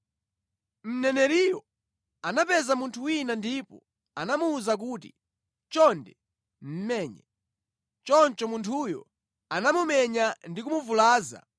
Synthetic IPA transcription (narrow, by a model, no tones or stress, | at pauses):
m̩nɛnɛɾijɔ | anapɛzamuntʰuwinandiːpɔ | anamuːzak̬uːt̬ḭ | t͡ʃɔndɛ | m̩mɛːɲɛ̰ | t͡ʃɔnt͡ʃɔmuntʰujɔ̰ | anamumɛɲandikumuvulaːza̰